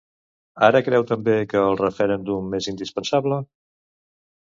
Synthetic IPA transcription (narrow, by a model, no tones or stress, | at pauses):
aɾəkɾɛwt̪əmbekəːlˠrəfəɾɛnd̪umːezind̪ispənsaβlə